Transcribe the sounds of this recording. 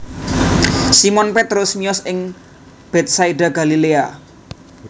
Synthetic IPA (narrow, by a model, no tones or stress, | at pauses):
simɔnpet̪ɾʊsmiɔsɪŋ | b̥ɛt̪̚saiɖaɡa̤lilea